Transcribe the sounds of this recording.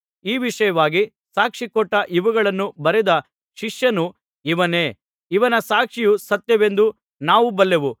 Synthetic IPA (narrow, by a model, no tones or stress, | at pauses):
iːʋiʂɐjɐʋaːɡi | saːkʂikɔʈːɐʔiʋuɡɐɭɐnːubɐɾɛd̪ɐ | ʃiʂjɐnu | iʋɐne̞ː | iʋɐnɐsaːkʂijusɐt̪jɐʋe̞nd̪u | naːʋubɐlːeʋu